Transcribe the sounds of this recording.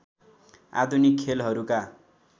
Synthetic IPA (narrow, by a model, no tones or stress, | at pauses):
a̰d̪ʱunikʰːelɦʌɾuka